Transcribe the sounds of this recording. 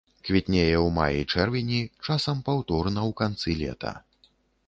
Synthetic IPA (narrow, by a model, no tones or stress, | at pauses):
kvʲit̪ʲnʲejɛwma̰jḭjt͡ʂɛrvʲinʲit͡ʂasɐmpawt̪ɔrnɐwkant̪sɨlʲɛ̰t̪ɐ̰